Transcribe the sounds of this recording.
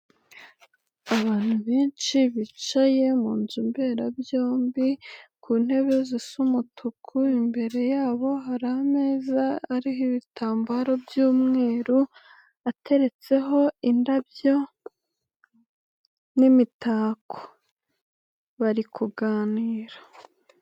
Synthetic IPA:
aβaːn̥huβeːnt͡ʃiβit͡ʃaje̞muːnzumbe̞ːɾabjo̞ːmbikʰuːn̥he̞βezisumutʰukʰuimbe̞ɾe̞jaːβo̞ɦaɾame̞ːzaːɾihiβitʰaːmbaɾo̞bjuːmŋe̞ːɾu | atʰe̞ɾe̞t͡se̞ɦo̞indabjo̞ | nimitaːkʰo̥ | βaɾikʰuɡaːniːɾḁ

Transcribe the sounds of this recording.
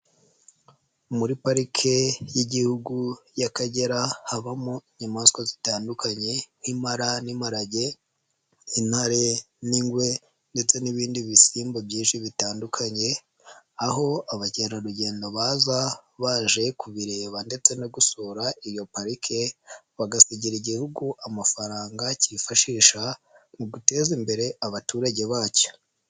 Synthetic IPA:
muɾipaɾikʰe̞jiɟihuɡujakaɟe̞ɾahaβamuiɲamaskozitaːndukaɲe̞nimaɾanimaɾaɟe | inhaɾe | niŋɡwe̞ | nde̞t͡se̞niβiːndiβisiːmbobjiːnʃiβitaːndukʰaɲe̞ | aɦo̞aβaceɾaɾuɟe̞ːndo̞βaːzaβaːʒe̞kuβiɾe̞ːβande̞t͡se̞noɡusoːɾaijo̞paɾikʰe̞ | βaɡasiɟiɾiɟihuɡuʔamafaɾaːŋɡaciifaʃiːʃa | muɡute̞ːzimbe̞ɾe̞aβatuːɾaɟe̞βaːco̥

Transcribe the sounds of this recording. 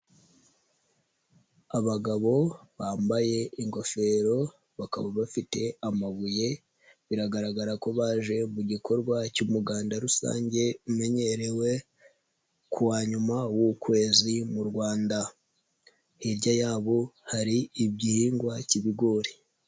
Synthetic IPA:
aβaɡaβo̞βaːmbaje̞ʔiŋɡo̞fe̞ɾo̞ | βaka̰βaβafite̞amaβuje̞ | βiɾaɡaɾaɡaɾako̞βaːʒe̞muɟikʰo̞ɾɡwacumuɡaːndaɾusa̰ːɲɟe̞ume̞ɲe̞ɾe̞we̞ | kʰuwaːɲumawukwe̞ːzimuɾɡwaːnda | hiɾɟajaːβo̞haɾiːbɟihiːŋɡwaciβiɡo̞ɾi̥

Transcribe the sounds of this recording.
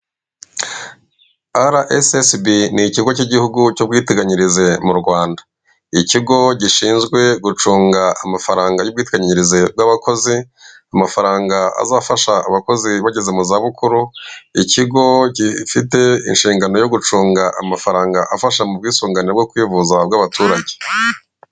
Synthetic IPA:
aɾaʔesesbiniciɡo̞ciɟihuɡucob̚ɡiːteɡaɲiɾize̞muɾɡwaːndḁ | iciɡo̞ɟiʃiːnzɡwe̞ɡut͡ʃuːŋɡaamafaɾaːŋɡajubɡwiːteɡaɲiɲiɾizeb̚ɡaβako̞zi | amafaɾaːŋɡaa̰zaːfaʃa̰ːβako̞ziβaɟe̞ze̞muzaβukʰuɾuiciɡo̞ɟifite̞ḭnʃiːŋɡano̞jo̞ɡut͡ʃuːŋɡaʔamafaɾaːŋɡaʔafaʃamubɡiːsuːŋɡaniɾabɡokwiːvuzabɡaβatuːɾaɟe̥

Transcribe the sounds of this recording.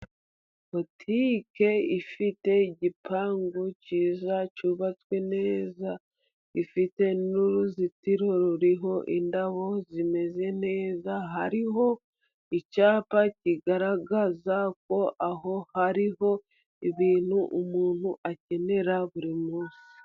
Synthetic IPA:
po̞tʰike̞ifite̞iɟipʰaːŋɡuciːzacuβat͡skwe̞ne̞ːza | ifite̞nuɾuzitiɾo̞ɾuɾiɦo̞ʔindaβo̞zime̞ze̞ne̞ːzaɦaɾiɦo̞ | icaːpaciɡaɾaɡazak̚o̞ʔaɦo̞haɾiɦo̞ | iβiːn̥huʔumuːn̥huʔace̞ne̞ɾaβuɾimuːsi̥

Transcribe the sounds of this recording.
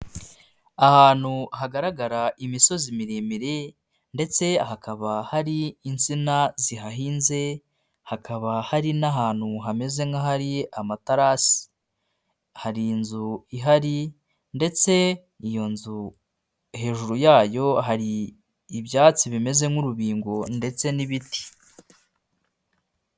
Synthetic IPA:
ahaːn̥huhaɡaɾaɡaɾaʔimiso̞zimiɾemiɾe̞ | nde̞t͡se̞hakʰaβahaɾiːnt͡sinaziɦaɦiːnze̞ | hakʰaβahaɾinaɦaːn̥huɦame̞ze̞ŋaɦaɾiamataɾasi̥ | haɾinzuiɦaɾi | nde̞t͡se̞ | ijo̞nzu | he̞ːʒuɾujaːjo̞ɦaɾiː | βjaːt͡siβime̞ze̞ŋuɾuβiːŋɡo̞nde̞t͡se̞niβiti̥

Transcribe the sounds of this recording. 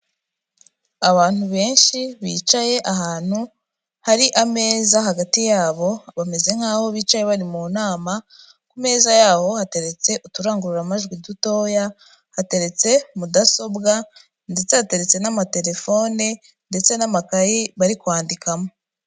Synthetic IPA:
aβaːn̥huβe̞ːnʃiβiːt͡ʃaje̞ʔaɦaːn̥hu | haɾiʔame̞ːzaɦaɡatijaːβo̞βame̞ze̞ŋ̥haːho̞βiːt͡ʃaje̞βaɾimuːnaːma | kume̞ːzajaːho̞hate̞ɾe̞t͡se̞ʔutuɾaːŋɡuɾuɾamaʒɡwiduto̞ːja | hate̞ɾe̞t͡se̞mudaso̞bɡa | ndet͡sehate̞ɾe̞t͡se̞namate̞ɾe̞fo̞ːne | nde̞t͡se̞namakajiβaɾikwaːndikamo̞

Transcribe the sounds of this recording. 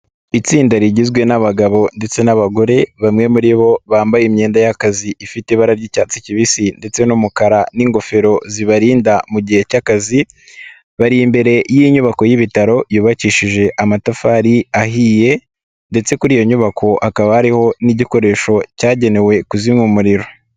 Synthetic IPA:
it͡siːndaɾiɟizɡwe̞naβaɡaβo̞nde̞t͡se̞naβaɡo̞ɾe̞βamŋe̞muɾiβo̞βaːmbajimɲe̞ːndajakaziifiteβaɾaɾɟicaːt͡siciβisinde̞t͡se̞numukaɾaniŋɡo̞fe̞ɾo̞ziβaɾiːndamuɟihe̞cakazi | βaɾijimbe̞ɾe̞jiɲuβako̞jiβitaɾo̞juːβaciʃiʒe̞ʔamatafaːɾiaɦiːje̞ | nde̞t͡se̞kuɾiːjo̞ɲuβakʰo̞ʔakaβahaɾiho̞niɟiko̞ɾe̞ʃo̞caːɟe̞ne̞we̞kuzimŋumuɾiɾo̞

